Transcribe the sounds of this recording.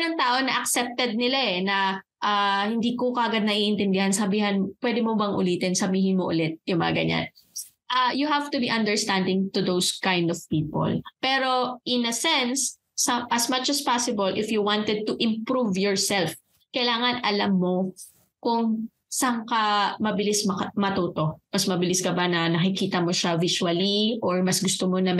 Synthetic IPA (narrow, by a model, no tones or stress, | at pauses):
nɐŋt̪aːʔonɐʔɐksɛp̚t̪ɛd̪̚nɪlaʔɛnɐ | ʔahɪnd̪iːkokɐʔɐɡad̪̚nɐʔiʔɪnt̪ɛnd̪ɪhɐnsɐbiːhɐnpwɛd̪ɛmobɐŋʔʊ̰liːt̪ɪnsɐbiːhɪnmoʔʊ̰lɛt̪̚jʊŋmɐ̰ŋɐ̰ɡɐ̰ɲa̰n | ʔajuhavt̪ʊbiʔɐ̃nd̪ɛɹst̪and̪ɪŋt̪ʊðowskãjnd̪ɔv̥piːpo̰lpɛːɾo̞ʔɪnɐsɛnsː | ɐmʔɐsmɐt͡ʃɐspasɪbɐlʔɪfjuwãnt̪ɛd̪̚t̪ʊʔɪ̃mpɹuvjɔɹsɛlf | kɐjlaːŋɐnɐlamːo | kʊŋ | sɐŋkamɐbɪlɪsmɐmɐt̪uːt̪omɐsmɐbɪlɪsɡɐbanɐnɐkɪkiːt̪ɐmoʃavɪswɐliʔoɹmɐsɡʊst̪omonɐ